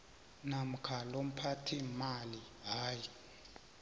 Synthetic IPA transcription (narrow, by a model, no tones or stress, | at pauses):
nam̩kʰalom̩pʰatʰimali | ɦaːji